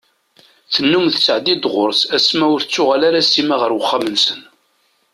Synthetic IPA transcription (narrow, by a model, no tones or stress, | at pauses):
θənːumθət͡sːəʕd̪id̪ʁʊɾsæsmæʊɾθt͡sːʊʁalaɾasimaʁəɾwəχːamənsən